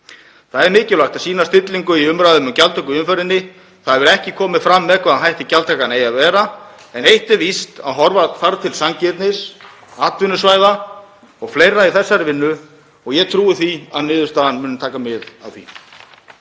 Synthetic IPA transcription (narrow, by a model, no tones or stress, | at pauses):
θaðɛɾmɪːcɪlajxt̪asiːnast̪ɪt̪liŋkʏiʏmɾaðʏmʏmcalt̪œkʏʏmfœɾɪnːɪ | θaðvɛɾɛhcɪkʰɔːmɪfɾamːɛðkʰvaðaɦajht̪ɪcalt̪ʰakanejaðvɛːɾa | ɛnejht̪ɪvist̪aðɦɔɾvafaɾt̪ʰɪlsaŋcɛt̪nɪs | aːt̪vʏnːʏsvajða | ɔɣfleːjɾaiθɛsːaɾɪvɪnːʏ | ɔɣjɛt̪ʰɾuːɪθiaðnɪːðʏst̪aːðanmʏːnʏmt̪ʰaːkamɪða̰vθḭ